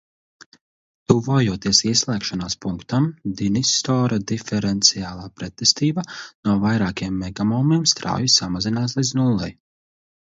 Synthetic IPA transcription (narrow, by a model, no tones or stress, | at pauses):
t̪uvɔːjuɔt̪iɛsiɛslˠɛːkʃanaːspuŋkt̪amd̪inist̪ɔːɾad̪ifɛɾɛnt̪siaːlˠaːpɾɛt̪ːɛst̪iːbanuɔvajɾaːkiɛmːɛɡamɔːmiɛmst̪ɾa̰ːjusːamazinaːslˠidznulˠːaj